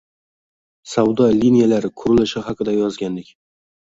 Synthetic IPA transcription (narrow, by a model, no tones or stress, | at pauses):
sawd̪ɒlʲinijalaɾɪkʰʊɾɪlɪʃɪɦɑqʰɨd̪ajɒzɡʲand̪ɪkʲ